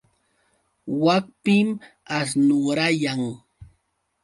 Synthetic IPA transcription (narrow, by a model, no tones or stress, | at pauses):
wak̚pɪm | as̬nʊɾajaŋ